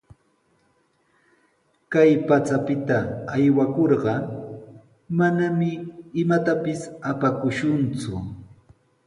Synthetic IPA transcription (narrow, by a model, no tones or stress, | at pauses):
kajpat͡sapɪt̪aːjwakoɾɢɑ | manamɪːmat̪apɪsapakʊʃʊnt͡sʊ